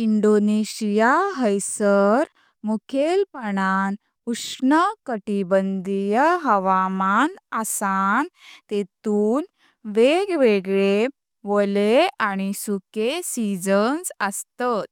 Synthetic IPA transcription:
iɳɖoneɕijaɦəjsəɾ | mukʰelpəɳan | uʂɳəkəʈibənd̪ʱijəɦəʋamanasant̪et̪uːn | ʋeɡʋeɡɭe | ʋəleaɽ̃isukesid͡zənsəst̪at̪̚

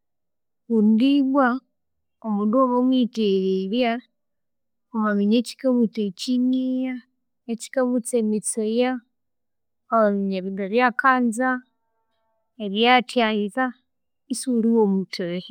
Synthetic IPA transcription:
kundiβwa | omunduoβomwiteɣeɾja | oβaβiɲeci̥kamutet͡ʃiɲija | eci̥kamut͡semit͡soja | oβaβiɲeβindoɾjakaːnza | eɾjatjaiza | isuliwomutʰe

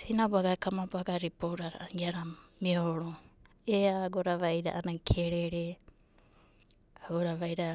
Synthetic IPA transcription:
sinabuaɡakamabaɡaɾipoɾaɾaɡiaɾamioɾo | eaːɡoɾaβajɾa̰ʔanakʰeɾeɾe | aɡoɾaβajɾa

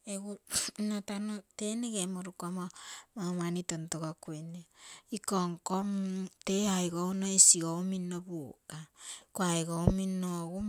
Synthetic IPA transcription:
eɡunotanoteneɡemoɾukoamomamanitontoɡakojneikoŋkomteajɡounoisiɡouminːobukakoajɡominoɡu

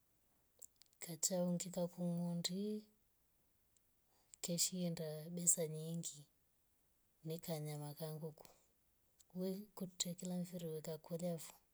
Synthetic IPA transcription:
kat͡ʃauŋɡikakuŋundi | kɛʃiɛndaɓɛsaɲiŋɡi | nikaɲamakaŋɡuku̥ | wɛkutɛkilaɱviɾiwɛkakulafu̥

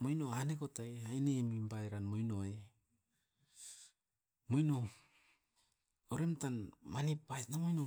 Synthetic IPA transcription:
mojnoanekotaajnemimbajɾanmojno̞e | mojno | oɾe̞mtanmanipbajtnamojno

